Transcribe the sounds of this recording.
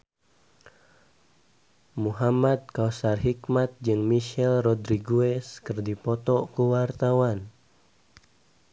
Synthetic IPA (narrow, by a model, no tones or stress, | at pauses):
muɦamad̪̚kausarɦikmat̪̚d͡ʒɨŋmiʃɛlrɔdɾiɡuɛskɨrdipɔt̪ɔkuwart̪awan